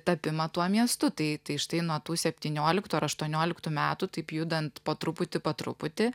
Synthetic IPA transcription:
t̪ɐpʲɪmɐt̪uɔmʲiɛst̪ʊt̪ɐɪt̪ɐɪʃt̪ɐɪnuɔt̪uːsʲɛpʲt̪ʲiːnʲoːlʲɪkt̪uɐɾɐʃt̪uɔnʲoːlʲɪkt̪uːmʲæːt̪ut̪ɐɪpjud̪ɐnt̪pɐt̪ɾʊpʊt̪ʲɪpɐt̪ɾʊ̰pʊt̪ʲɪ

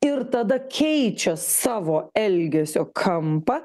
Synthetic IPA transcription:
ɪɾt̪ɐd̪ɐkʲʰɛɪt͡ʃʲɛsɑːʋoːɛlʲɡʲɛsʲoːkʰɐmpɐ

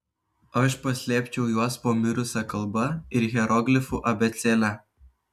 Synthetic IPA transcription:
ɐʃpɐsʲlʲɛːpʲt͡ʃʲɛʊjuɔspoːmʲɪɾʊsʲɛkɐlˠbɐɪɾɣʲɛɾɔɡʲlʲɪfuʔɐbʲɛt̪sʲɛːlʲæ

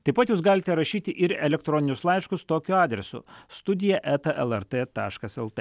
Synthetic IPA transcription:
t̪ɐɪpɐt̪juːs̬ɡɑːlʲɪt̪ʲɛɾɐʃʲiːt̪ʲɪʔɪɾɛlʲɛk̚t̪ɾɔːnʲɪnʲʊslˠɐɪʃkʊst̪oːkʲʊɑːd̪ʲɾʲɛsʊ̰st̪ʊd̪ʲɪjɛʔæt̪ɐʔɛlˠɛɾt̪et̪ɑːʃkɐsɛlˠt̪e

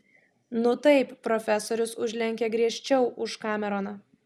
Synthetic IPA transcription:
nʊt̪ɐɪppɾɔfʲɛsoːɾʲʊsʊʒʲlʲɛŋʲkʲɛɡɾʲiɛʃʲt͡ʃʲɛʊʔʊʃkɑːmʲɛɾoːnɐ

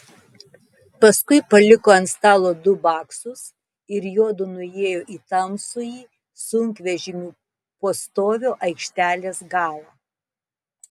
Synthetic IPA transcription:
pɐskʊɪpɐlʲɪkoːɐnt̪st̪ɑːlˠoːd̪ʊbɑːksʊs | ɪɾjuɔd̪ʊnʊeːjoːʔiːt̪ɐmsʊjiː | sʊŋʲkʋʲɛʒʲɪmʲuː | poːst̪oːʋʲoːʔɐɪkʃʲt̪ʲæːlʲeːsɡɑːlˠɑ

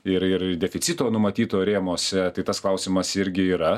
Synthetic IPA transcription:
ɪɾɪɾdʲɛfʲɪt̪sʲit̪oːnʊmɐt̪ʲiːt̪oːɾʲeːmoːsʲɛt̪ɐɪt̪ɐsklˠɐʊsʲɪmɐsɪɾʲɡʲɪiːɾɐ

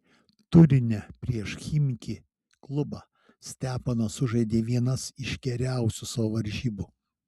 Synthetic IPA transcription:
t̪ʊɾʲɪnʲɛpʲɾʲiɛʃxʲimʲɪkʲi | klˠʊbɑ | sʲt̪ʲæːpɐnɐsʊʒɐɪd̪ʲeːʋʲiɛnɐsɪʃʲɡʲɛɾʲæˑʊsʲusɐʋoːʋɐɾʲʒʲiːbʊ

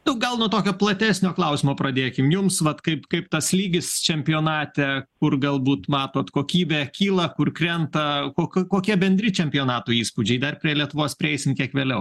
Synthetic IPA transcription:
nʊɡɐlˠnʊɔt̪oːkʲoːplˠɐt̪ʲæːsʲnʲoːklˠɐʊsʲɪmoːpɾɐd̪ʲeːkʲɪmjʊmsʋɐt̪kɐɪpkɐɪpt̪ɐslʲiːɡʲɪst͡ʃʲɛmʲpʲɪjoːnɑːt̪ʲɛkʊrɡɐlˠbuːt̪mɑːt̪oːt̪koːkʲiːbʲɛːkʲiːlˠɐkʊrkɾʲɛnt̪ɐkoːkkoːkʲiɛbʲɛnʲd̪ʲɾʲɪt͡ʃʲɛmʲpʲɪjoːnɑːt̪uːiːspud͡ʒʲɛɪd̪ɐrpʲɾʲiɛlʲiɛt̪ʊʋoːspʲɾʲɪɛɪsʲɪmkʲiɛkʋʲeːlʲɛʊ

